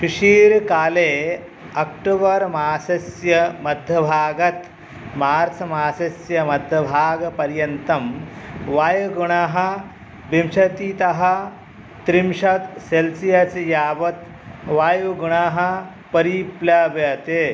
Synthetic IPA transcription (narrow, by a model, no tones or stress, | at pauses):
kiʂiːɾkaːle | ɐk̚ʈubɐɾmaːsɐsjɐmɐd̪ʱjɐbʱaːɡɐt̪ | maːɾt͡sʰɐmaːsɐsjɐmɐd̪ʱjɐbʱaːɡpɐɾjɐnt̪ɐmʋaːjɡuɽaːɦɐ | bimɕɐt̪iːt̪ɐɦa | t̪ɾimʂɐt̪selsijat͡sjaːbɐt̪ | ʋaːjuɡuɽ̃aːɦɐ | pɐɾipljaːbjɐt̪e